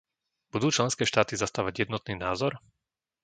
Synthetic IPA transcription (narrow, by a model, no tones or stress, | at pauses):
b̥ud̪uːt͡ʃlɛnskɛːʃt̪aːt̪izast̪aːʋaɟjɛd̪nɔt̪niːnaːzɔɾ